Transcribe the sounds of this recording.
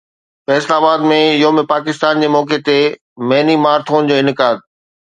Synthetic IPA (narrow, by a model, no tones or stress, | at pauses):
fɛːslaːbaːd̪mẽɪjɦomẽpaːk̬ɪst̪aːnd͡ʑeːmɔːket̪e | mɐɦnimaːɾt̪ʰoːnd͡ʑoːɪnɪkaːd̪̚